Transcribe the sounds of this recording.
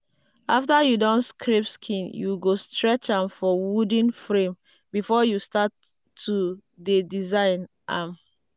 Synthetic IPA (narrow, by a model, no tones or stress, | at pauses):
aftajudɔ̃nskʰɹepskʰĩnjuɡostɹɛt͡ʃãmfɔwudĩnfɹẽm | bifɔjustatʰː | udedizãɪn | ʔam